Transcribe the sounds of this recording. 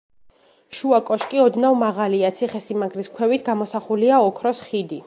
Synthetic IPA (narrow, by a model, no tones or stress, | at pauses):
ʃuakʼɔʃkʼiɔd̪navmaʁaliat̪sʰiχɛsimaɡɾiskʰwɛvit̪ʰɡamɔsaχuliaɔkʰɾɔsχid̪i